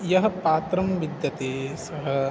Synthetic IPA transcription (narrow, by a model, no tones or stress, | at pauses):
jɐɦɐ̆paːt̪ɾɐmʋid̪jɐt̪eːsɐɦɐ̆